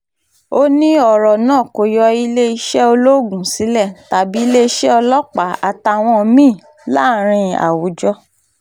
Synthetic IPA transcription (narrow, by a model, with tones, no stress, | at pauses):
o˦nĩ˦ɔ˦˨ɾɔ˨nãː˦˨ko˨jɔ˧i˧le˦i˧ʃɛ˦o˧lo˦˨ɡũ˨si˨˦lɛ˦˨ta˨bi˨˦le˦i˦ʃɛ˦ɔ˧lɔ˦k͡pa˨˦a˨ta˧˨w̃ɔ̃˧mĩ˦˨ | la˦˨ɾ̃ĩ˧a̰˨wu˨˦d͡ʒɔ˧˦